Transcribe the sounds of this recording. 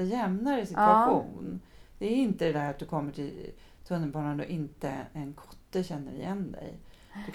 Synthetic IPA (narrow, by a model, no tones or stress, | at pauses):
jɛmnaɾɪsɪtaɧṵːnn | d̪̥ɛːɾɪnt̪əd̪ɛd̪æɾat̪̚d̪ɵkʰɔmːəʈʰɪl | t̪ʰɵnːəlpɑːnanɔʔɪnt̪əɛnkʰɔ̥t̪ːəɕɛnːə̰ɾɪ̰jɛnd̪ɛ̰j | d̥̪ɵ